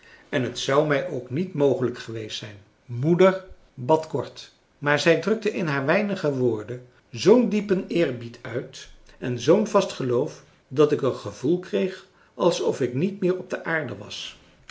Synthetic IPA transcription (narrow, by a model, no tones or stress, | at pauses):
ɛnɦətsɑwmɛjʔowknitmowχələkχəʋejstsɛjn | mudəɹ | bɑtkɔɹt | maːɹzɛjdrɵk̚təʔɪnɦaːɹʋɛjnəχəʋʊːɹdə | zowndipənɪːɹbitʰœɥtɛnzownvɑstχəlowf | dɑtɪkənχəvulˠkrejχ | ʔɑlˠsɔfɪknitmɪːɹɔb̚dəʔaːɹdəʋɑ̰s